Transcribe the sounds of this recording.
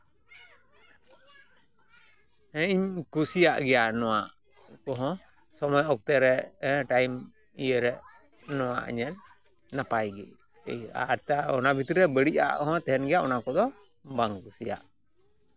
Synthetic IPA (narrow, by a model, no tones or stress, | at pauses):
hɛ̃iɲkusijaʔɡɛjanɔwaʔ | kɔɦɔ̃ | sɔmɔjɔk̚t̪ɛɾɛɛʈajm | ijəɾɛ | nɔwa̰ʔɲɛl | napajɡɛ | ɛja̰ɾt̪aɔnabʱit̪iɾɛbəɽiʔa̰ʔkɔɦɔ̃t̪ɛɦɛnɡɛjaʔɔnakɔd̪ɔ | baŋkusija̰ʔ